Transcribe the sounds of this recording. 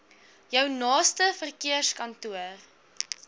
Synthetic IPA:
jœwnɑːstəfərkiəskɐntuər

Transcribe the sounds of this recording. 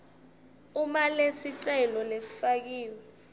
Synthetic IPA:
umalesiǀɛlɔlesi̥fak̬iːwɛ

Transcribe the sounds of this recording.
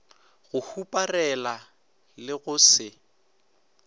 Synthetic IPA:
ɣʊhupʼarɛla | lɪɣʊsɪ

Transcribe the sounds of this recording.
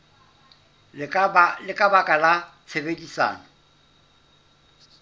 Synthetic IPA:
lɪkʼabakʼalat͡sʰebedisa̰ːnɔ

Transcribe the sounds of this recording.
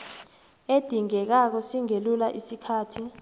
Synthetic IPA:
ed̥ʱiŋɛk̬ak̬ɔsiŋelulaʔisikʰaːtʰi

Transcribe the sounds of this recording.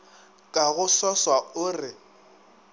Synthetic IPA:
kʼaɣʊsaswaʊrɪ

